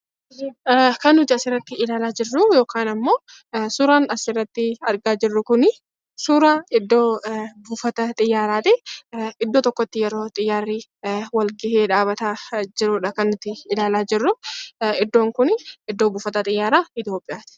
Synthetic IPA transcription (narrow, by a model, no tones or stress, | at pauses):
kɐnːʊd͡ʒ̪ɪɐsɪrːɐt̪ːɪɪlaːlaːd͡ʒɪrːujo̞ːkaːnɐmːo̞ː | suːɾaːnɐsɪrːɐt̪ːɪɐɾɡaːd͡ʒɪrːʊkʊnɪ | suɾaːɪd̪ːo̞ːbuːfɐt̪ɐt̪ʼɪjːaːɾaːt̪ɪɪd̪ːoːt̪ɔkːɔt̪ːɪjɛɾo̞ːt̪ʼɪjːaːrːiːwɐlɡɪheːᶑaːbɐt̪aːd͡ʒɪɾʊːᶑɐkɐnːʊt̪ːɪɪlaːlaːd͡ʒɪrːʊɪd̪ːo̞ːŋkʊnɪd̪ːo̞ːbuːfɐt̪ɐt̪ʼɪjːaːɾaːɪt̪jo̞ːpʼːɪjaːt̪ɪ̥